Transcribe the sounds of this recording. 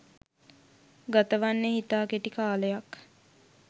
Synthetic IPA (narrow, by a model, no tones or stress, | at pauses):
ɡat̪əʋanːeɦit̪aːkeʈikaːləjak